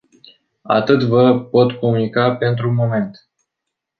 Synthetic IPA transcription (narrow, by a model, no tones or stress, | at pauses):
a̰t̪ɨt̪vəpo̞t̪ko̞munikape̞nt̪ɾumo̞me̞nt̪